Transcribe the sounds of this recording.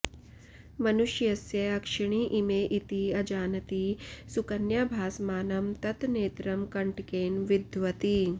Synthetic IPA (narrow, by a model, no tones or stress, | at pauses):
mɐnuʃjɐsjɐɐkʂɐɳ̃iːʔimeːʔit̪iɐd͡ʒaːnɐt̪iːsukɐnjɐbʱaːsmaːnɐmt̪ɐt̪neːt̪ɾɐmkɐɳʈkeːnʋid̪ʱʋɐt̪i